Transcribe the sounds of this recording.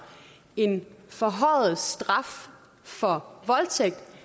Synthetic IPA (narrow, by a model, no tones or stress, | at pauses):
e̝nfɒ̽ɦɒɪð̩ˠsd̥ʁɑ̈f | fɒ̽ʋɒ̽lt͡sʰeɡ̥̚d̥